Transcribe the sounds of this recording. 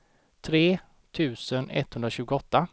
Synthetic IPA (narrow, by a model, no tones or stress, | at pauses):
t̪ʰɾeː | t̪ʰʉ̟ːsənɛ̰t̪ːhɵnd̪ɾaɕʉ̟ːɡʊɔt̪ːa